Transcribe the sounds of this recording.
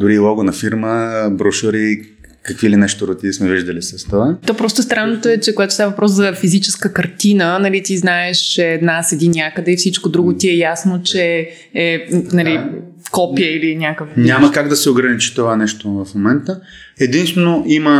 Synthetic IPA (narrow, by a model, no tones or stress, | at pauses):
d̪ʊɾilˠɔɡonɐfiɾməbɾoʃuɾi | kɐkvilinɛʃt̪oɾot̪ismɛviʒd̪ɐlisəst̪ovat̪ɔpɾɔst̪ost̪ɾanːot̪oɛt͡ʃɛkoɡat̪o̥st̪avəvɐpɾɔszɐfizit͡ʃɛskəkɐɾt̪inənɐlit̪iznaɛʃɛːd̪nasɛd̪inɲʲjakəd̪ɛifsit͡ʃkod̪ɾuɡot̪iɛjasnot͡ʃɛ | ɛnɐli | kɔpiəilinʲakəfɲʲamɐkaɡd̪ɐsɛoɡɾɐnit͡ʃi̥t̪ovanɛʃt̪ovɐfmomɛnt̪ə | ɛd̪inst̪vɛnoʔimə